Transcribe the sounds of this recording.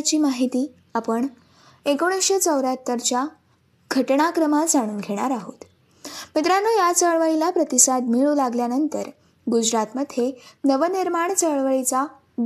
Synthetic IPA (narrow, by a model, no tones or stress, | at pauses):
t͡ɕiːmaɦit̪iː | apəɳ | ekoɽ̃əɕet͡səwɾat̪ːəɾt͡ɕja | ɡʱəʈɳ̃akɾəmad͡zaɽ̃uːnɡʱeɽ̃aɾaɦot̪ | mit̪ɾanojat͡səɭʋəɭilapɾət̪isad̪miɭulaɡljanənt̪ə̰ɾ | ɡud͡ʑɾat̪məd̪ʱjenəʋəniɾmaɳt͡səɭʋəɭit͡sa